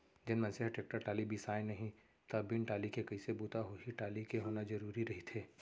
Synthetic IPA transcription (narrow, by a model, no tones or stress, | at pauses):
d͡ʒɪnmɐ̃nseɦʈeːk̚ʈəɾʈaːlibʱisaːjnɐɦĩ | t̪ɐbɪnʈaːlikekɐisebuːt̪aɦoɦiʈaːlikeɦoːnad͡ʒɐɾuːɾiɾɐɦit̪ʰeː